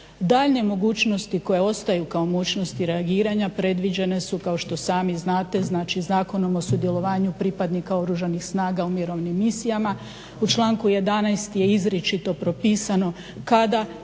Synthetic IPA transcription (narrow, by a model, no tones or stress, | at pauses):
d̪aːʎɲe̞mo̞ɡuːt͡ʃno̞st̪iko̞je̞o̞st̪ajukao̞moɡuːt͡ʃno̞st̪iɾe̞aɡiːɾaɲapɾe̞d̪ʋid͡ʑe̞ne̞sukao̞ʃt̪o̞saːmiznaːt̪e̞znat͡ʃizaːko̞no̞mo̞sud̪jelˠo̞ʋaːɲupɾipad̪nikao̞ɾuʒanixsnaːɡaumiɾo̞ʋnimːisijama | ut͡ʃlˠaːŋkuje̞d̪anajst̪je̞izɾet͡ʃit̪o̞pɾo̞piːsano̞ | kad̪a